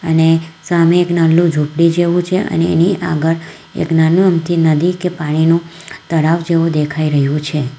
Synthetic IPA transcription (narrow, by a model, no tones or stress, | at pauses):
ənesameːknalːũd͡ʒʱupɽid͡ʒeʋũt͡ʃʰeʔə̰nḛːniʔa̰ɡəɭ | ḛknanũəmt̪inəd̪ikepaɽ̃inũ | t̪əɽafd͡ʒeʋũd̪ekʰaiɾəɦjũt͡ʃʰe